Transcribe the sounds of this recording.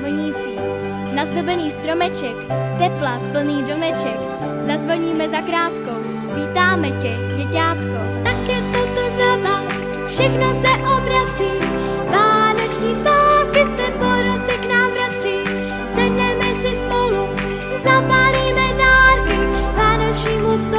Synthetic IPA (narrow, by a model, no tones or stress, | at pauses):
l̩ɲiːt͡siː | nazd̪ɛbɛniːst̪ɾomɛt͡ʃɛkt̪ɛplapl̩niːdomɛt͡ʃɛk | zazvoɲiːmɛzakɾaːt̪ko | viːt̪aːmɛcɛ | ɟɛcaːt̪ko | t̪akɛt̪ot̪ozɾava | fʃɛxnosɛʔobɾat͡siː | vaːnot͡ʃɲiːslaːt̪kɪsɛpoɾot͡sɛknaːmvɾat͡siː | sɛdnɛmɛsɪspolu | zapaliːvɛdaːɾkɪvaːnot͡ʃɲiːmust̪